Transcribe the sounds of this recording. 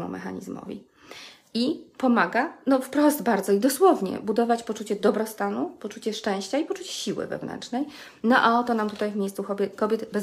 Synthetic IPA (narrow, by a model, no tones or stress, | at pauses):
mṵmɛ̰xaɲḭzmɔ̰vʲḭ | ipɔmaɡanɔfpɾɔsd̪baɾd̪zɔid̪ɔswɔvɲɛ̰bud̪ɔvat͡ɕpɔt͡ʂut͡ɕɛd̪ɔbɾɔst̪anupɔt͡ʂut͡ɕɛʂt͡ʂɛ̃w̃ɕt͡ɕaipɔt͡ʂut͡ɕɛ̥ɕiwɘ̰vɛ̰vnɛ̰nt͡ʂnɛj | nɔʔaɔt̪ɔnamt̪ut̪ajvmʲejst̪suxɔbʲɛkɔbʲjɛt̪bɛz